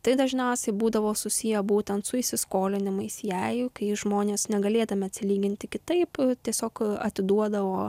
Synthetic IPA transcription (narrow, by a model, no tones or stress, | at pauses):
t̪ɐɪd̪ɐʒʲnʲɛʊsʲɛɪbuːd̪ɐʋoːsʊsʲijɛbuːt̪ʲɛnt̪sʊɪʃʲsʲɪskoːlʲɪnʲɪmɐɪsjɛɪkɐɪʒmoːnʲeːsnʲɛɡɐlʲeːd̪ɐmʲɛɐt̪ʲsʲɪlʲiːɡʲɪnʲt̪ʲɪkʲɪt̪ɐɪpt̪ʲiɛsʲoːkɐt̪ʲɪd̪uɔd̪ɐʋoː